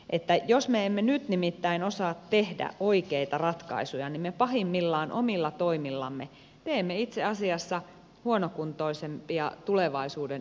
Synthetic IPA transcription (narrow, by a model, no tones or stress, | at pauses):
ʔet̪ːæjosmeemːenyt̪nimit̪ːæinosɑːt̪tehdæ̰ʔoikeit̪ɑrɑt̪kɑ̰isujɑnimmepɑɦimːilːɑːnʔo̰milːɑt̪oimilːɑ̰mːe | t̪eːmːeit̪seɑsiɑsːɑ | huonokunt̪oisempiɑt̪uleʋɑisuːden